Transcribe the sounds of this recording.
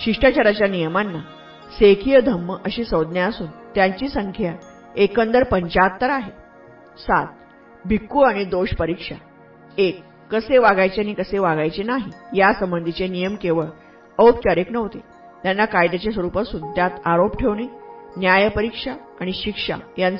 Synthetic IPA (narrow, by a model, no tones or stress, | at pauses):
ɕiʂʈat͡ɕaɾat͡ɕjanijəmanːa | sekʰijəd̪ʱəmːəʔəɕiːsəwd̪njaəsuːnt̪jaɲt͡ɕiːsəŋkʰja | ekənd̪əɾpəɲt͡ɕat̪ːəɾaɦe | sa̰t̪̚ | bʱikːuaɽ̃id̪oɕpəɾikʂa̰ | ekː | əseʋaɡajt͡ɕeaɽ̃ikəseʋaɡajt͡senaɦijasəmbənd̪ʱit͡senijəmkeʋəɭ | əʋp̚t͡ɕaɾeknəʋt̪e | t̪janːakajd̪at͡ɕesʋəɾupasuːnt̪jat̪aɾopʈʰeʋɳiːnjajpəɾikʂaːɽ̃iɕikʂa̰jant͡s